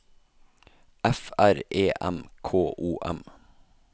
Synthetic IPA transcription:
ɛfæɾeːʔɛ̰mkʰoːʔuːʔɛ̰m

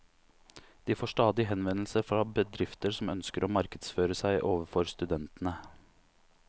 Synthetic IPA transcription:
d̪̥iːfoːʂʈɑːd̪ɪɦɛnʋɛnl̩səɾfɾɑbəd̪ɾɪft̪əɾsɔmœnskəɾoːmɑɾkəd̪sføːɾəsæɪʔoːʋəɾfɔɾst̪ʉd̪ɛnt̪n̩ə

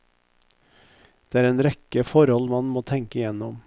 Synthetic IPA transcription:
d̪̥eːæːɾeːnɾɛkəfɔɾhɔlmɑnmoːt̪ʰɛŋkəɪjɛnɔm

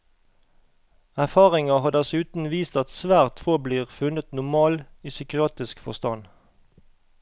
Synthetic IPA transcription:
æʁfɑːʁɪŋɑhɑːd̪æsʉːt̪n̩ʋiːst̪ɑt̪sʋæːʁt̪fobliːʁfʉnət̪nʊmɑːliːsʏkɪɑːt̪ɪskfɔ̰st̪ɑn

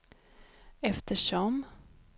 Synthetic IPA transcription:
ɛft̪əʂɔm

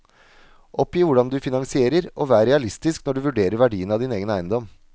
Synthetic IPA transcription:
ʔɔpːiːʋʊɖɑnd̪ʉːfɪnɑŋsɪeːɾəɾoːʋæːɾəɾɛɑlɪst̪ɪsknɔɖʉːʋʉɖeːɾəɾʋæɖiːənəɑːʋd̪ɪneːɡənæɪənd̪ɔm

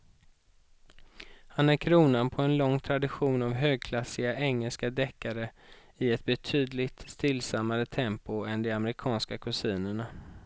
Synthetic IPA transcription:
hanæɾkʰɾuːnanpʰɔɛnlɔŋːt̪ʰɾad̪ɪɧuːnavɦøːɡ̚kʰlasːɪɡaʔɛŋːɛlskad̪ɛkːaɾə | ɪɛt̪̚bɛt̪ʰyːd̪lɪt̪st̪ɪlːsamːaɾət̪ʰɛmpʊɛnd̪ɛamɾɪkʰɑːnskakʰɵsiːnəɳa

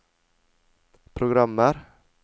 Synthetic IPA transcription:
pʰɾʊɡɾamːəɾ

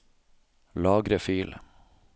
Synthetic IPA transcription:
lɑːɡɾəfyːl

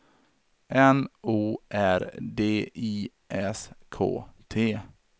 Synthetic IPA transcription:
ʔɛnuːʔæɾd̪eːʔiː | ʔɛskʰo̰ːt̪ʰeː

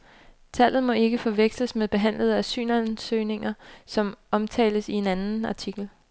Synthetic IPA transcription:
t͡sʰæl̰ð̩ˠmɒ̽e̝ɡ̥əfɒ̽ʋeɡ̥sləsmeðˠb̥e̝ɦæn̰ləð̞ˠæsy̰ːnænsøɪne̝ŋɐsɒ̽mɒ̽mt͡sʰɛ̰ːləsie̝nænn̩ɑ̈t͡sʰiɡ̥l̩

